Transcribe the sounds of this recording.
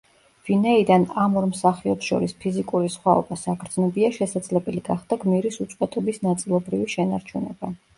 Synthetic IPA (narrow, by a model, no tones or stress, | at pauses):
v̥inɛid̪anamɔɾmsaχiɔpsʃɔ̰ɾispʰizikʼuɾisχwaɔ̰basakʰɾd̪znɔbiaʃɛsad̪zlɛbɛliɡ̥aχd̪̥aɡmiɾisut̪sʼqʼwɛt̪ʼɔbisnat̪sʼilˠɔbɾiviʃɛnaɾt͡ʃʰunɛ̰ba